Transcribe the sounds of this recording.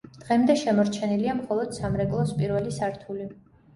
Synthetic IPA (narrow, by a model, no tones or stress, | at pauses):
d̪̥ʁɛmd̪ɛʃɛmɔɾt͡ʃʰɛniliamχɔlˠɔd̪̥samɾɛkʼlˠɔspʼiɾvɛlisaɾt̪ʰuli